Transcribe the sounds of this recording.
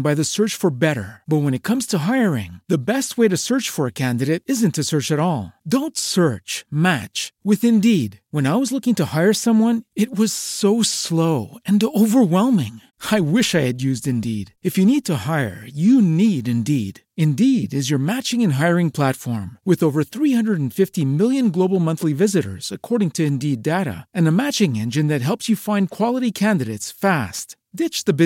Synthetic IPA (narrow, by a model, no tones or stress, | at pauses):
baɪðɨsɜ˞t͡ʃfə˞bɛɾə̰˞b̥ʌt̚wə̃ñɨt̚kʰʌ̃mz̥tʰəɦaɪə˞ɪ̰̃ŋðɨbɛst̚weɪɾɨsɜ˞t͡ʃfə˞ɨkʰæ̃ndɨɾeɪɾɪzɨ̃ntʰɨsɜ˞t͡ʃɨɾɔlˠdõʊ̃ntsɜ˞t͡ʃmæt͡ʃwɨðɨ̃ndidwə̃naɪwʌzlʊkɪ̃ŋtɨhaɪə˞sʌ̃mwʌ̃nɨt̚wʌz̥soʊsloʊɨ̃noʊvə˞wɛlˠmɪ̰̃ŋ | aɪwɪʃaɪɨdjʉzdɨ̃ndiɾɨfjɨnid̚tʰəhaɪə̰˞jɨniɾɨ̃ndiɾ | ɨ̃ndiɾɨzjə˞mæt͡ʃɪ̃ŋɨ̃nɦaɪəɹɪ̃ŋpʰl̥ætfɔ̰ɹmwɨðoʊvə˞θɹihʌ̃ndɹəɾn̩fɪftimɪlˠjɨ̃nɡloʊbl̩ˠmʌ̃nθlivɪzɨɾə̰˞z̥ɨkʰɔɹɾɪ̃ŋtʰɨɨ̃ndideɪɾɨ̰ɨ̃nɨmæt͡ʃɪ̃ŋɛ̃nd͡ʒɨ̃nðɨt̚ɦɛlˠpsjɨfãɪ̃nkʰw̥ɑlˠəɾikʰæ̃ndɨɾeɪtsfæst | d̥ɪt͡ʃðɨb